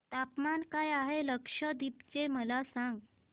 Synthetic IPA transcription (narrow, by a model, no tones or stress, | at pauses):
t̪apmankajaɦeləkʂəd̪ipt͡ɕeməlasãŋɡ